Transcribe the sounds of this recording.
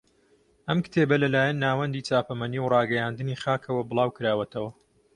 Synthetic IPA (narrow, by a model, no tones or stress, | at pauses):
ʔɐmkɨ̥t̪ʰeːbɐlɐlaːjɐnːaːwɐnd̪iːt͡saːpɐmɐniwrɑːɡɐjaːnd̪ɨniːχaːkʰɐwɐbɨlˠɑːwkɨɾaːwɐt̪ʰɐwɐ